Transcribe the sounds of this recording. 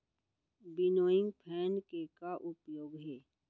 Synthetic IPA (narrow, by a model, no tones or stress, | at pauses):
bɪnoːɪ̃ŋɡpʰɛːnkekaʔʊpjoːɡɦɛː